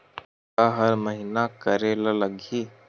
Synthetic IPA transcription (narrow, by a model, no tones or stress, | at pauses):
aɦɐɾməɦɪnakəɾeːlalɐɡʱiː